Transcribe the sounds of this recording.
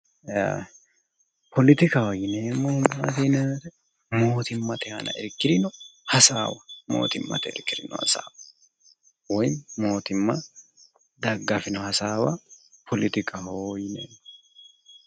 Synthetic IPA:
a | pʰɔlɪt̪ɪkɐwɔjɪneːmːɔhmːaːt̪enet̪ɛ | moːt̪ɪmːɐt̪ɛhɐ̰nɐ̰ɛɾkːɪɾɪnɔhɐsaːwɐmo̰ːt̪ɪmːɐ̰t̪ɛɛ̰ɾkːɪd̪ɪnɔ̰hɐ̰sa̰ːwɐ | wɔjmo̞ːt̪ɪmːɐ | d̪ɐɡːɐfɪnɔhɐsaːwɐpʰɔlɪt̪ɪkʰɐhojɪnḛːmːɔ

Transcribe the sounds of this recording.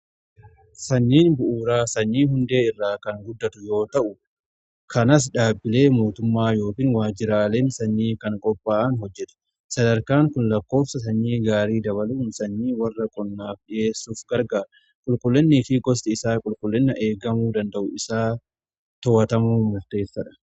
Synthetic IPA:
sɐɲːiːnbʊʔuːɾaːsɐɲːiːɦʊnd̪e̞ːɪrːaːkɐŋɡʊd̪ːɐt̪ʊjo̞ːt̪ɐʔʊ | kʰɐnɐs̬ᶑaːbːɪle̞ːmo̞ːt̪ʊmːaːjo̞ːkɪːnwaːd͡ʒɪɾaːle̞ːnsɐɲːiːkɐŋkʼɔpʼːaːʔɐnɦɔd͡ʒːɛt̪ʊ̥ | sɐd̪ɐɾkaːŋkʊnlɐkːo̞ːfsɐsɐɲːiːɡaːɾiːd̪ɐβɐluːnsɐɲːiːwɐrːɐkʼɔnːaːfᶑɪjeːsuːfɡɐɾɡaː | kʼʊlkʼʊlːɛnːɪːfɪɡɔsd̪ɪɪsaːkʼʊlkʼʊlːɪnːɐʔe̞ːɡɐmuːd̪ɐnd̪ɐʔʊɪsaː | t̪ɔwɐt̪ɐmuːmʊɾt̪e̞ːsːɐᶑɐ̥

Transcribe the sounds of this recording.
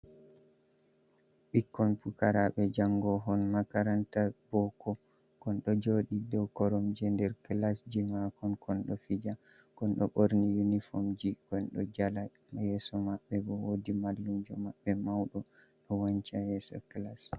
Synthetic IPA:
ɓikːɔnpukaɾaɓɛd͡ʒaŋɡɔɦɔnmakaɾantab̥ɔkɔ | kɔnɗɔd͡ʒoːɗidɔkɔɾɔmd͡ʒɛndɛɾklasd͡ʒimakɔnkɔnɗɔfid͡ʒa | kɔnɗɔɓoɾnijunifomd͡ʒikɔnɗɔd͡ʒala | mjɛsɔmaɓːɛbɔwodimalːumd͡ʒɔmaɓːɛmawɗɔ | ɗɔwaɲt͡ʃajɛːsɔ̰klas

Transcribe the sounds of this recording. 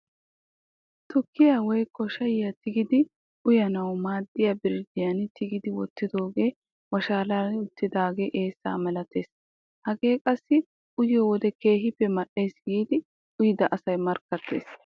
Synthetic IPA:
t̪ʊkːɪjaːwɔjkːɔʃɐjɪjɐt̪ɪɡɪd̪ɪ | ʔʊjɐnɐwmaːd̪ːɪjabɪɾɪd̪ɪjɐnt̪ɪɡɪd̪ɪwɔt̪ːɪd̪o̞ːɡe̞ː | wɐʃaːlanʊt̪ːɪd̪aːɡeːʔeːsːa̰ːmɛlɐt̪ʰe̞ːs | hɐɡe̞ːkʼɐsːɪ | ʔʊjɔwɔd̪ɛke̞ːɦɪpːɛmɐʔe̞ːsɡiːd̪ɪ | ʊjɪd̪ɐʔɐsɐjmɐɾkːɐt̪ːe̞̰ːs

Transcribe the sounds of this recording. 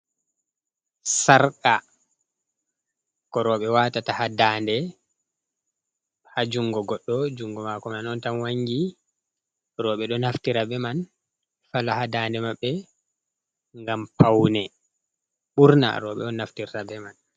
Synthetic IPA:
saɾka | kɔɾɔːɓɛwatatahadandɛ | had͡ʒuŋɡɔɡɔɗːɔd͡ʒuŋɡɔmakɔmanɔntamwaŋɡi | ɾɔɓɛɗɔnaftiɾabɛman | falahadaːndɛmaɓːɛ | ŋɡampʰawnɛ | ɓuɾna̰ɾɔ̰ɓɛ̰ɔnaftiɾtabɛman

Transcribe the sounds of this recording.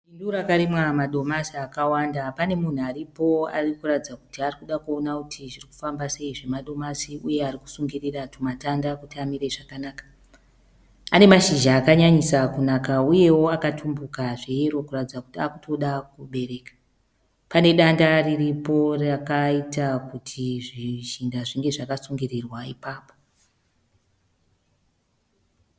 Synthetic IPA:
induɾakaɾimwamaɗo̞masiakawandapane̞mun̤uaɾipo̞a̰rikuratid͡zaku̥tiarikuɗakuo̞nakutʰiʐiriku̥fambase̞iʐe̞maɗo̞masiʔuje̞ariku̥suŋɡiriratumatandakutiamiɾe̞ʐakanaːkḁ | ane̞maʃiʒaːkaɲaɲisakunakauje̞wo̞akatʰumbukaʐejeɾo̞kuratid͡zakutiakutʰo̞ɗakuɓe̞ɾe̞ːkḁ | pane̞ɗandariripo̞rakaitakutʰiʐiʒindaʐiŋɡe̞ʐakasuŋɡirirwaḭpaːpo

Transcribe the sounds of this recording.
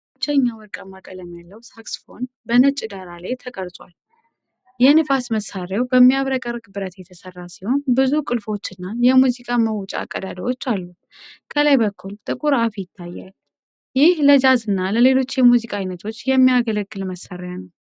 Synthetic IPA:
ɨt͡ʃːəɲːawɔɾkʼamːakʼələmjalːəwsaksfo̞n | bənət͡ʃʼːɪd̪aɾalajt̪ʰəkʼəɾsʼwal | jɛnɨfasməsaɾjawbəmːiaβɾəkʼərkʼbɨɾət̪jɛt̪ʰəsərːasiho̞nbɨzukʼɨlfo̞t͡ʃːɨnːajɛmuzikʼaməwt͡ʃʼa̰a̰kʼːəd̪ad̪iwo̞t͡ʃːalːu | kʰəlajbəkʰːult̪ʼɨkʼuɾafijɪt̪ʰːajːa̰l | jɪhləd͡ʒazɨnːaləle̞lo̞t͡ʃːjɛmuzikʼajnət̪ʰo̞t͡ʃːjɛmːijaɡələɡːɨlməsːaɾjanəw

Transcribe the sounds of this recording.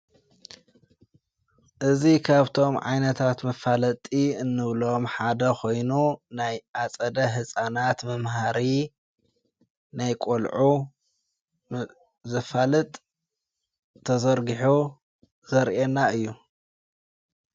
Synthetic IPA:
ʔɨzikʰaβt̪ʰo̞mʕa̰jnɐt̪ʰat̪mɐfalɐt̪ʼiɨnːɨβlo̞mħad̪ɐxʰo̞jnunajʔat͡sʼɐd̪ɐɦɨsʼanat̪mɐmɦaɾi | najkʼolʕu | zɐfalɨt̪ʼ | t̪ʰːɐzɐɾɡiħu | z̥ɐɾʔenːaɨjːu

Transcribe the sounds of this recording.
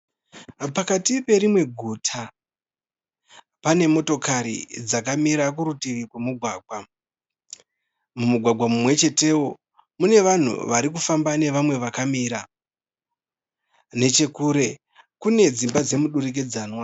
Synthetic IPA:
pakatipe̞ɾimwe̞ɡʱutʰa | pane̞mo̞to̞kaɾḭd͡zakamiɾak̬uɾutiʋikwemuɡʱwaːɡ̚ʱwa | mumuɡʱwaɡʱwamumwe̞t͡ʃe̞te̞wo̞ | mune̞ʋan̤ṵʋaɾik̬ufambane̞ʋamwe̞ʋakamiɾa | ne̞t͡ʃe̞kuːɾe̞ | kune̞d͡zimbad͡ze̞muɗurik̬ed͡zaːnwa

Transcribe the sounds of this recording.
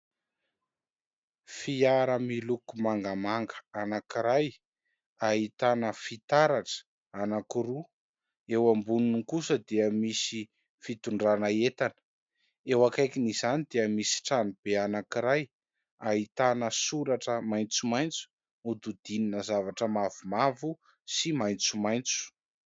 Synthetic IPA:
fiaɾəmilukumaŋɡamaŋɡə̥anakiɾaj | aɦit̪anəfit̪aɾaʈ͡ʂə̥ | anakuɾu | ewambuninikusəd̪iəmisi | fit̪uɳɖ͡ʐanəet̪anə̥ | ewakajkinizanid̪eəmisi̥ʈ͡ʂanib̥eanakiɾaj | aɦit̪anəsuɾaʈ͡ʂəmajnt͡sumajnt͡su̥ | ud̪ud̪ininəzavaʈ͡ʂəmavumavu | simajnt͡sumajnt͡su̥

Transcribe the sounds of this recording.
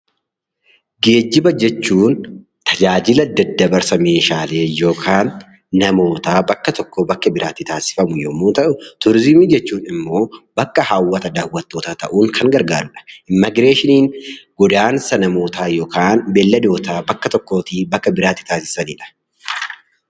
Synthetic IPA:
ɡe̞ːd͡ʒːɪbɐd͡ʒɛt͡ʃːuːn | t̪ʰɐd͡ʒaːd͡ʒɪlɐd̪ːɐd̪ːɐbɐɾsɐmeːʃaːle̞ːjo̞ːkʰaːnː | ɐmo̞ːt̪aːbɐkːɐt̪ɔkːoːbɐkːɐbɪɾaːt̪ːɪt̪aːsɪ̥fɐmʊjo̰ːmːoːt̪ɐʔʊt̪ʊɾɪzɪmiːd͡ʒɛt͡ʃːuːnɪmːo̞ːbɐkːɐhaːwːɐt̪ɐd̪aːwːɐt̪ːo̞ːt̪aːt̪ɐ̰ʔuːŋkʰɐŋɡɐɾɡaːɾʊᶑɐ̥ʔɪmːɐɡɾe̞ːʃɪniːŋɡ̥ɔd̪aːnsɐnɐmo̞ːt̪aːjo̞ːkʰaːnbɛlːɐd̪o̞ːt̪aːbɐkːɐt̪ɔkːo̞ːt̪ibɐkːɐbɪɾaːt̪ːɪ̥t̪aːsɪ̥sɐniːᶑɐ̥

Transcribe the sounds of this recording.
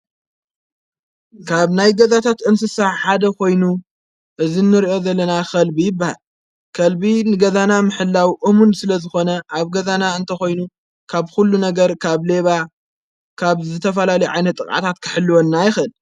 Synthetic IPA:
kʰaβnajɡɐzat̪ʰat̪ʔɨnsɨsaħad̪ɐkʰo̞jnu | ʔɨzinːɨɾiʔo̞zɐlːɐnaxɐlbijɪbːaha̰l | kʰɐlbinɨɡɐzanamɨħɨlːawʔomund̪sɨlɐzɨxo̞nɐʔaβɡɐzanaɨnt̪ʰɐxo̞jnu | kʰaβxulːunɐɡɐɾkʰaβle̞βa | kʰaβzɨt̪ʰɐfɐlalɐjʕa̰jnɐt̪ʼːɨkʼʔa̰t̪ʰat̪kʰɨ̥ħɨlːuwonːajɪxɨl

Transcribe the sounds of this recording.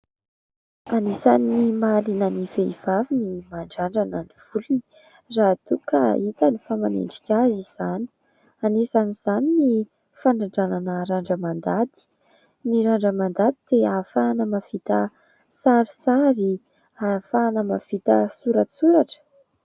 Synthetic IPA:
anesanimalinəniveiv̥avinimaɳɖ͡ʐaɳɖ͡ʐananiv̥ulii | rat̪uka̰it̪anifamanḛɳɖ͡ʐi̥kʲaziz̥ani̥ | anesaniz̥anini | faɳɖ͡ʐaɳɖ͡ʐananəɾaɳɖ͡ʐəmand̪ad̪i̥ | niɾaɳɖ͡ʐəmand̪ad̪i̥d̪̥eafanəmafit̪ə | saɾi̥saɾi | afaːnəmafit̪əsuɾət͡suɾaʈ͡ʂə̥

